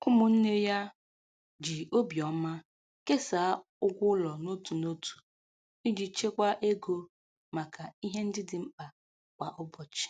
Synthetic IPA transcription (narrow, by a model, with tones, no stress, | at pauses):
kʊ˦mʊ˨n̩˦ne˦ja˦ | d͡ʒi˨o˦bi˨ɔ˨ma˦ | ke˦sa˨a˦ | ʊ˦ɡʷʊ˦lɔ˨no˦tu˨no˦tu̥˨ | i˦d͡ʒi˨t͡ʃe˦kʷa˦ʔe˦ɡo˦ | ma˨ka˨i˦ɦe˦n̩˦dɪ˦dɪ˨m̩˦k͡pa˨ | kʷa˨ʔʊ˦bɔ˨t͡ʃɪ̥˨